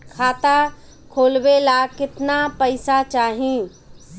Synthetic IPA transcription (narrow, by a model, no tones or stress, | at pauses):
kʰaːt̪a | kʰoːlbelaːkɪt̪napəɪsat͡ʃaːɦĩ